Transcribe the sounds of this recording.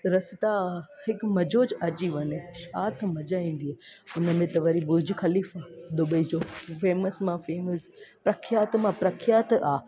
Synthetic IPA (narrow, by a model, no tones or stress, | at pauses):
ɾɐsɪt̪ahɪkmɐd͡ʑoːd͡ʑɐt͡ɕiʋɐneʃaːt̪ʰmɐd͡ʑaːĩːn̆d̪ieʊnə̆mẽt̪ɐʋɐɾibʊɾd͡ʑʱxɐliːfaːd̪ʊbəid͡ʑoːfeːməsmãfeːməs | pɾɐkʰɪjaːt̪mãpɾɐkʰjaːt̪aː